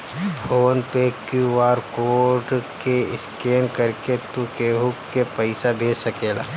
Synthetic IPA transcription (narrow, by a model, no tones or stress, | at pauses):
pʰoːnpekjuʋaːɾkoːɾɖkeɪskeːnkəɾket̪ukeːɦʊkːepəɪsabʱeːsəkeːla̰ː